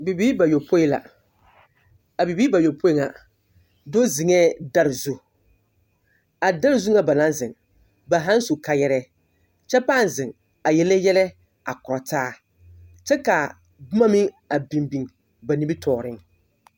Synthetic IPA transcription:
bi˨bi˦ba˨jo˨pʰo˦i˦la̰˨ | a˨bi˨biː˦ba˨jo˨po˦i˨˦ŋa˨ | do˦zɪ˨ŋɛː˦˨da˦ɾɪ˨zu˦ | a˨da˦ɾɪ˨zu˦ŋa˦ba˨lã˦nzɪ˨ŋ | ba˨ɦa˦n˦su˨ka˨jɛ˦ɾɛ˦ | t͡ʃɛ˦pa˦˨n˨zɪ˨ŋ | a˨jɛ˦le˦jɛ˦lɛ˦ | a˨kʊ˨ɾɔ˨taː˦ | t͡ʃɛ˦ka˨ | bʊ˦ma˦mɪ˦ŋ | a˨bi˨mbi˨ŋ | ba˨ni˨˦bi˦tʰɔː˨ɾɪ˦ŋ

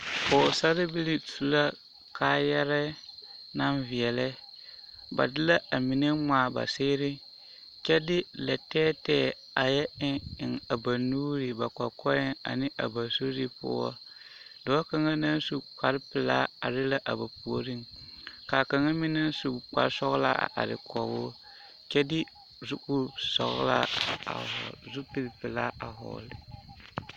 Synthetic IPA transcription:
poː˨sa˦ɾɪ˦bi˦li˦su˨˦la˦ | kʰa˦˨jɛ˦ɾɛ˦na˦nvi˨ɛ˨lɛ˦ | ba̰˨dɪ˦la˦a˨mi˨ne˦maː˨ba̰˨sɪː˦ɾɪ˦ | kɛ˦dɪ˦lɛ˨tɛː˦tɛː˦˨ | a˨jɛ˦ɪ˦ɪ˨ŋa˨ba˨nuː˦ɾi˨ba˨k͡pa˨kʰɔ˦jɛ˦ŋa̰˨nɪ˦ʔa̰˨ba˨so˦ɾi˦pʊ̰˦wɔ̰˦ | dɔ˨˦ɔ˦ka˨ŋa˦na˦n˦su˦k͡pa˨ɾpɪ˨la˦a˨ɾɪ˦la˦ʔa˨ba˨pu˨o˨ɾi˦ŋka˨ka˨ŋa˦mi˦na˦n˦su˨k͡pa̰˨ɾsɔ˦ɣla̰˦˨a̰˨ɾɪ̰˨kɔ˨wʊ˦ | kɛ˦dɪ˦ | zu˦kʊ˦sɔ̰˨ɣ̰la̰˦a̰˨zu˦pi˨ɾpɪ˨la˦a˨ɦɔ̰˨lɪ˨

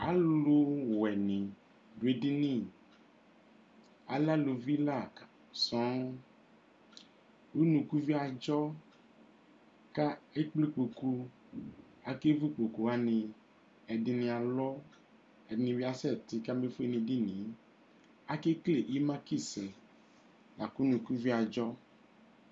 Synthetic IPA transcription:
a˨lo˦wɛ˨nĩ˨ | be˨di˦nĩ˦˨ | a˨la˦lo˨vi˦la˦˨ka˨ | sɔ̃˨˦ | wu˦nũ˨ku˦vi˦a˨d͡ʒɔ˦ | ka˦e˦k͡ple˦k͡po˨ku˦ | a˨ke˦vu˦k͡po˨ku˨a˦nẽ˨ | ɛ˨ɖi˨nĩ˨a˨lɔ˦ | ɛ˨nĩ˨vi˦a˦sɛ˦˨t̪i˨ka˦be˦fo˦e˦nĩ˨ɖi˦nĩ˨˦ | a˦ke˦kle˨ʔi˦mã˦ki˦˨sɛ˨ | la˨ku˦nũ˨ku˦vi˦a˨d͡ʒɔ˦

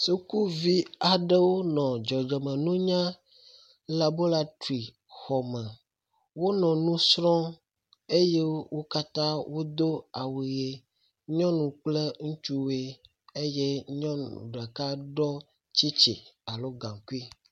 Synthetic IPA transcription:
su˦ku˦vi˦a˨ɖe˦wo˦nɔ̃˨d͡ʒɔ˨d͡ʒɛ˨mɛ̃˨nũ˦ɲã˦ | la˨bo˦la˦tu˨i˨ | xɔ˨mɛ̃˨ | wo˦nɔ̃˨nũ˦sɾɔ̃˦ | e˦je˦wo˦ka˦t̪ã˦wo˦d̪o˦a˨we˨e˦ | ɲɔ̃˦nũ˨k͡ple˦ŋũ˦t͡ʃu˦we˦ | e˦je˦ɲɔ̃˦nṵ̃˨ɖɛ˨ka˦ɖɔ˦ | t͡ɕi˦t͡ʃḛ˨a˨lo˦ɡã˨ŋku˦i˦

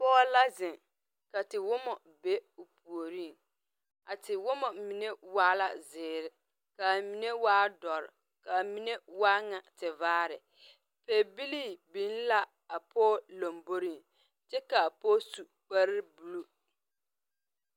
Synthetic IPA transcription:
pɔː˦la˦zɪ˨ŋ | ka˨tɪ˨wʊ˦mɔ˨ | be˦ʊ˨pu˨o˨ɾi˦˨ŋ | a˨tɪ˨wʊ˦mɔ˨mi˨ne˦waː˦la̰˦zɪː˨ɾɪ˦ | ka˨mi˨ne˦waː˦dɔ˨ɾɪ̰˨ | ka˨mi˨ne˦waː˦ŋa˨tɪ˨vaː˦ɾɪ˨ | peː˨bi˦liː˦bĩ˨˦n˦la˦ | a˨pʰɔː˦lo˨mbo˦ɾi˦˨ | t͡ʃɛ˦ka˨pɔː˦su˨ | k͡pa˦ɾɪ˦bu˨lu˦

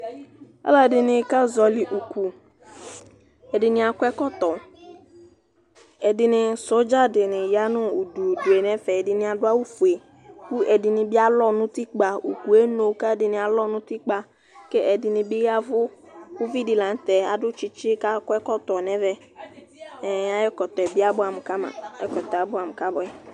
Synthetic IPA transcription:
a̰˦la˨dɪ˨nɪ̃˨ka˦zɔ˨lɪ˨ʔu˨ku˨ | ɛ˨dɪ˨nɪ̃˨a˨kʊ˦ɛ˦kɔ˦t̪ɔ˨ | ɛ˨dɪ˨nɪ˨so˦d͡ʒa˦dɪ˨nɪ̃˨ja˦nʊ̃˦u˨du˨du˨e˨nɛ̃˦fɛ˨ɛ˨dɪ˨nɪ̃˨a˨dʊ˦a˦wu˦fu˨e˨ | ku˦ɛ˨dɪ˨nɪ̃˨bɪ˦a˦lɔ˦nʊ̃˦t̪i˦k͡pa˨u˨ku˨e˦no˨˦ka˦dɪ˨nɪ̃˨a˨lɔ˦nʊ̃˦t̪i˦k͡pa˨ | ke˦ʔɛ˨dɪ˨nɪ̃˨bɪ˦ja˦vʊ˦wʊ˦vi˦dɪ˨lã˨n˦t̪ɛ˨a˨dʊ˦t͡ʃɪ˦t͡ʃɪ˦ka˦kʊ˦ɛ˦kɔ˦t̪ɔ˨nɛ̃˦vɛ˦ | ɛ˨a˦ɪ˦kɔ˨t̪ɔ˨ɛ˨bɪ˦a˦bʊ˦a˨m˨ka˦mã̰˨ɛ˦kɔ˨t̪ɔ˨a˨˦bʊ˦a˨m˨ka˦bʊ˨ɛ˨

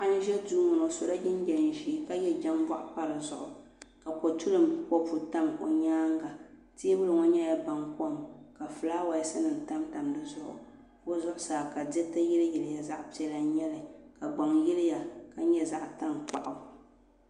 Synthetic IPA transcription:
a˦n˦ʒɛ˦tuː˦ŋʊ˨no˨so˨ɾa˦d͡ʒɪ˦n˦d͡ʒɛ˨n˨ʒiː˦ka˦jɛ˦d͡ʒa˦m˦ba˦ʔpa˦ɾɨ˨zʊ˦˨ʔʊ˨ | ka˨po˨tu˦lɨ˨mkɔ˦fu˨ta˦mo̰˨ɲaː˦ŋɡa˨ti˦e˦bɨ˦lɨ˨ŋɔ˦ɲɛ˦ja˨ba˨ŋkɔ˦mka˨fɨ˨laː˦wa˨jɛ˨sɨ˦nɨ˨n˨ta˦mta˨mdɨ˦zʊ˦ʔʊ̰˨ | o˦zʊ˦ʔʊ˦saː˨ka˨dɛ˦tɨ˦jɪ˦lɨ˦jɪ˨lɪ˦ja˨za˦ʔpi˦ɛ˦la˨ɲɛ˦lɨ˨ka˨ɡ͡ba˨ŋji˦lɪ˦ja˨ka˨ɲɛ˦za˦ʔta˦ŋk͡pa˨ʔa˨

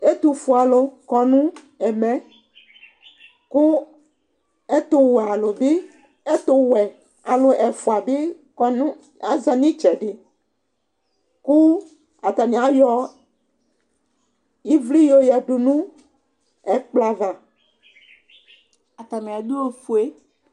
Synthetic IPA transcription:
e˦t̪u˨fu˨a˨lo˨kɔ˨nũ˦ | ɛ˨mɛ̃˨ | ku˦ | e˦t̪o˦wa˨lo˨be˦ | e˦t̪o˨wɛ˨ | a˨lo˨ʔɛ˨fu˨a˨be˦ | knũ˦ | a˦za˨nĩ˦t͡ʃɛ˨ɖe˨ | ku˦ | a˨t̪a˨mĩ˨a˨jɔ˦ | ji˦vli˦jo˦jɛ˨ɖu˨nũ˦ | ɛ˨k͡pla˨va˨ | a˨t̪a˨mẽ˨a˨d̪o˦o˨fu˨e˦

